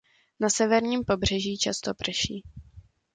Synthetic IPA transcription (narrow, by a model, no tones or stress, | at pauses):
nasɛvɛɾɲiːmpo̞br̝ɛʒiːt͡ʃast̪opr̩ʃiː